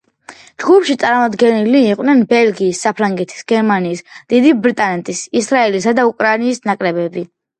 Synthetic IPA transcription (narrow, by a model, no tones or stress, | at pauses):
d͡ʒɡupʃit̪sʼaɾmad̪ɡɛniliːqʼwnɛnbɛlɡiːsːapʰɾaŋɡɛt̪ʰi̥sɡ̥ɛɾmaniːsd̪̥id̪ibɾit̪ʼanɛt̪ʼisisɾaɛlisad̪aukʼɾainiːsnakʼɾɛbɛbi